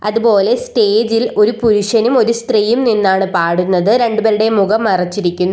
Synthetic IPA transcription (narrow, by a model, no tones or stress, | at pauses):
ɐðupo̞ːlesʈe̞ːd͡ʑilo̞ɾupuɾuʂɐnumo̞ɾust̪riːjumninːaːɳɨpaːɽunːɐðɨɾe̞ɳɖubɐɾiɽe̞muɣɐmːɐrɐt͡ɕːiɾikkʲːunːu